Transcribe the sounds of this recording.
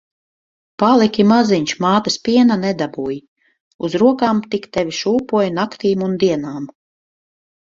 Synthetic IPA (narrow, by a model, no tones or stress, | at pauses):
palˠikʲimaziɲʲʃmaːt̪aspʲiɛnanɛd̪abuːji | uzɾuɔkaːmt̪ikt̪ɛvʲiʃuːpuɔjnakt̪iːmund̪iɛnaːm